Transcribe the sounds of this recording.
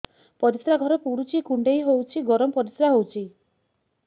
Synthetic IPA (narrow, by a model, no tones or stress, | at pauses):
pɔɾisɾaɡʱɔɾɔpuɾut͡ʃikuɳɖejɦowt͡ʃʰiɡɔɾɔmɔpɔɾisɾaɦowt͡ʃʰi